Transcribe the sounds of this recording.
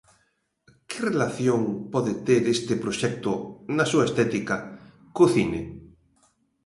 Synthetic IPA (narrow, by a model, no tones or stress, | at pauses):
kɪrelaθjoŋpɔðɪt̪eɾest̪ɪpɾoʃɛk̚t̪ʊnasuaest̪ɛt̪ika | koθinḛ